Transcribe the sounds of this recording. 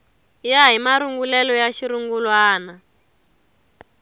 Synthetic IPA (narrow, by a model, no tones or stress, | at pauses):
jaɦimaɾuŋɡulɛlɔjaʃiɾuŋɡulwaːna